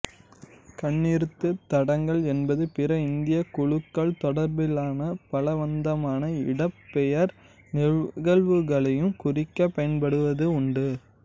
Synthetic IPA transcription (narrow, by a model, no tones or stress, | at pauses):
kɐɳːiɾɯt̪ːɯt̪ːɐɽɐŋɡɐɭɛnbɐðɯpɪrɐɪnd̪ɪjɐkʊɻɯkːɐɭt̪ɔɽɐɾbɪlaːnɐpɐlɐʋɐnd̪ɐmaːnɐɪɽɐpːɛjɐɾ | nɪɻɣɐɭʋɯɣɐɭɐjɯmkʊrɪkːɐpːɐjɐnpɐɽɯʋɐðɯʊɳɖɯ